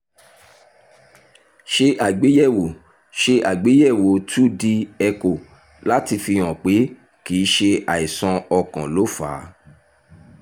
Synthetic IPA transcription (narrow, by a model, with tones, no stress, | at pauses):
ʃe˧ʔa˨ɡ͡be˨˦jɛ˦˨wo˨ | ʃe˧ʔa˨ɡ͡be˨˦jɛ˦˨wo˨˦tu˦di˧ɛ˧ko˨ | la˦ti˧fĩ˧ɔ̃˨k͡pe˨˦ | kiː˨˦ʃe˧a˨i˨sɔ̃˧ɔ˧kɔ̃˨lo˨˦fa̰ː˨˦